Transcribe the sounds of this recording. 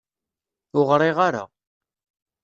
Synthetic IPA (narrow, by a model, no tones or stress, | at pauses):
ʊʁɾˤiʁaɾa̰